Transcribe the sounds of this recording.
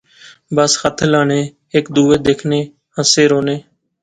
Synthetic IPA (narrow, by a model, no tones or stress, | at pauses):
bəsxət̪ʰlaːneː | ekd̪uːeːd̪eːkʰneː | ɦəseːɾoːneː